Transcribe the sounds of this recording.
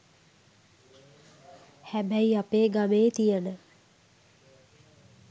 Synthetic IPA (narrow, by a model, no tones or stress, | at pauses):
hæbɛiapeːɡameːt̪ijənə